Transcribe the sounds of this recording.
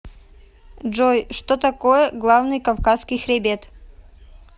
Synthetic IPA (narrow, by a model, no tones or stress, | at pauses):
ʐojʂt̪ot̪ɐkojəɡlˠavnɨjkɐfkasːkʲɪjxɾʲɪbʲet̪